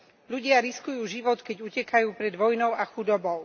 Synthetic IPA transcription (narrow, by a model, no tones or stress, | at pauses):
ʎuɟɪaɾiskujuːʒiʋɔt̪kɛɟucɛkajuːpɾɛd̪ʋɔjnɔʊaxud̪ɔbɔʊ